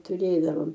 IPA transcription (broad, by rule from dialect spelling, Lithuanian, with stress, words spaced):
tʊˈrʲeːdɐʋoːm